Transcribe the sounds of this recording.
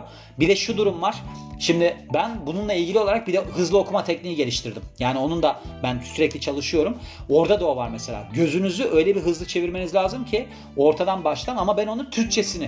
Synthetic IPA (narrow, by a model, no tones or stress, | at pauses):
bid̪ɛʃud̪uɾumvaɾ̥ʃimd̪ɪbænbununlˠailʲɟilʲio̞lˠaɾak̚bid̪ɛɦɯzlˠɯo̞kʰumat̪ʰɛcniːiɟe̞lʲiʃt̪ʰiɾd̪imjaːnio̞nund̪abænsyɾɛclʲit͡ʃʰalˠɯʃɯjo̞ɾumo̞ɾd̪ad̪o̞ːvaɾmese̞lʲa̰ːɟø̞zynyzyʔø̞jlʲɛbiɦɯzlˠɯt͡ʃʰe̞viɾme̞nizlʲaːzɯmcʰi | o̞ɾt̪ʰad̪anbaʃlˠamamabɛno̞nunt̪ʰyɾc̚t͡ʃʰe̞sinɪ